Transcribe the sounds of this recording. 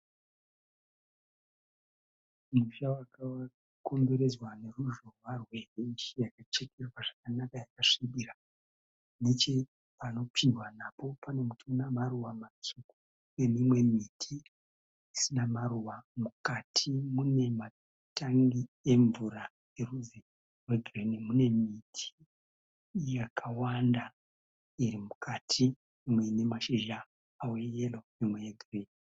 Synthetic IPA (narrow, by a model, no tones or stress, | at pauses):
muʃawakawa | ko̞mbe̞ɾe̞zwane̞ruʒorwarwe̞reiʃijakat͡ʃe̞kʰe̞rwaʐ̥akanakajakaʂiɓira | net͡ʃe̞ | pano̞pʰiwanapo̞pane̞mutʰunamaruwamat͡ʃukuu | e̞mimwe̞mitʰi | isinamaruwamukatʰimune̞ma | taŋɡie̞ɱvura | e̞ruze | rwe̞ɡʱirenemune̞mitʰi̥ | jakʰawanda | irimukʰatʰi | imwe̞ne̞maʃeʒaː | wejelomimwe̞jeɡʱireni